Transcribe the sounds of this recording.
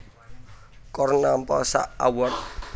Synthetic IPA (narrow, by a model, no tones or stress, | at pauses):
kɔrnampɔsa̰ʔawɔt̪̚